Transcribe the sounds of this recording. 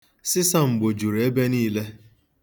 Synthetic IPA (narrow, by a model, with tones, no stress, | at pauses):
sɪ˦sa˦˨ŋ͡m̩˨ɡ͡bo˨d͡ʒu˨ɾe˨e˦be˦niː˦le˦